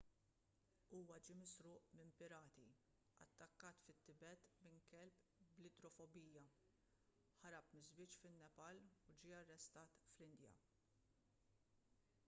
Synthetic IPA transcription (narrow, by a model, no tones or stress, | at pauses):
uːwɐd͡ʒimɪsɾʊːʔmɪmpɪɾɐːt̪i | ɐ̰t̪ːɐkːɐːt̪fɪt̪ːɪbɛt̪mɪŋkɛlpblɪd̪ɾɔfɔbiːjɐ | ħɐɾɐpmɪzbɪːt͡ʃfɪnːɛpɐlud͡ʒiːɐrːɛst̪ɐːt̪flɪnd̪jɐ̰